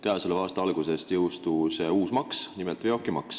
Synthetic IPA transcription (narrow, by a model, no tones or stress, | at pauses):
kæjseleɑːst̪ɑɑlɡ̥use̞st̪jɤwst̪useuːsmɑksnimelt̪ːˑveokːˑimɑ̰ks